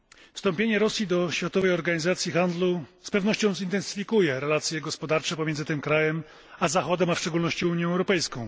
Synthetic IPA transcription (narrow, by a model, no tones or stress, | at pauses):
fst̪ɔmpʲjeɲɛɾɔsʲjid̪ɔɕfʲjat̪ɔvɛjɔɾɡaɲizat̪sʲjixand̪luspɛvnɔɕt͡ɕɔ̃w̃zint̪ɛnsɘ̥fʲikujɛɾɛlat̪sʲjɛɡɔspɔd̪aɾt͡ʂɛpɔmʲjɛnzɘt̪ɘmkɾajɛm | azaxɔd̪ɛmafʂt͡ʂɛɡulnɔɕt͡ɕiuɲjɔ̃ɛwɾɔpɛjskɔ̃w̃